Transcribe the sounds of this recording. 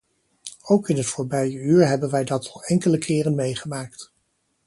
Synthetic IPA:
owkɪnɦətfʊːɹbɛjəyːɹɦɛbənʋɛjdɑtɑlɛŋkələkʰɪːrənmejχəmaːkt

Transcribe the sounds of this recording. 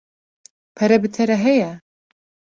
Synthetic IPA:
pʰɛɾɛbɨt̪ʰɛɾɛɦɛjɛ

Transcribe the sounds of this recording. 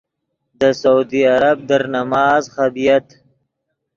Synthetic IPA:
d̪əsaud̪iaɾab̚d̪əɾnamɑːzχabijat̪

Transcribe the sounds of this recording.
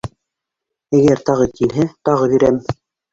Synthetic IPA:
æɡæɾt̪ɑʁɤkilɦɘt̪ɑʁɤβiɾæm

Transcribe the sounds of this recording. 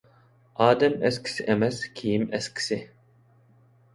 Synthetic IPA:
ɑːd̪ɛmɛski̥siʔɛmɛskʰijimɛski̥si

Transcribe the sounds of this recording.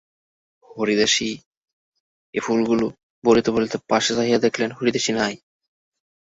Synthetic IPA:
hoɾid̪aʃi | ḛpʰulɡulo | boɾit̪ebolit̪epaʃesaɦijad̪ekʰlenɦoɾid̪aʃinaj

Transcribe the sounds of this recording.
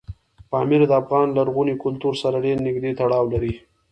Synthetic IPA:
pɑmɪɾad̪əafɣɑnlaɾɣunikʊlt̪uɾsaɾaɖeɾnɪɡd̪et̪aɽɑwlaɾi

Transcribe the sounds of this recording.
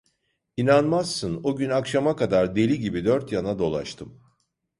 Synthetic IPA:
inanmazːɯnoɟynakʃamakad̪aɾd̪e̞lʲiɟibid̪œɾt̪janad̪o̞lˠa̰ʃt̪ʰɯm

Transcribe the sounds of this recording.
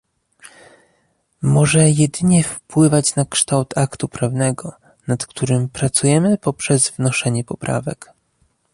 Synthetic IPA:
mɔʐɛjɛd̪ɘɲɛfpwɘvat͡ɕnakʂt̪awt̪ʰakt̪upɾavn̪ɛɡɔ | nat̪kt̪uɾɘmpɾat̪sujɛmɘpɔpʂɛzvnɔʂɛɲɛpɔpɾʔa̰vɛk

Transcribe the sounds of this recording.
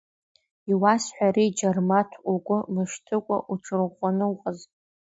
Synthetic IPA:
iwasħʷᶣaɾid͡ʒarmatʰuɡʷʼʊmɨʃtʰɨkʷʼa̰ʔuʈ͡ʂʰɨrʁʷanɨwqʼəz

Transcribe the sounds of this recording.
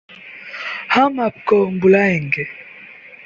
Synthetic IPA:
hamapkɔmbulaɛŋɡɛ

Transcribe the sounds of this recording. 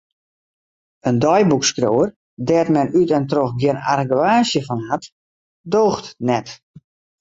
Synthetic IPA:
əndɔjbukskrowər | dɛtmɛnytɛntroxɡjɪna̰rəɡaːsjəfɔnhat | doːxtnɛt

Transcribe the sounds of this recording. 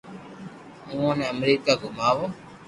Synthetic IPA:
ũːõːnɛ̃ːəmɾiːkaːɡʊmaːʋoː

